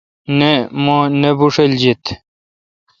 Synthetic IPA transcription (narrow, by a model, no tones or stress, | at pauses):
nemõːnebuʂeld͡ʑit̪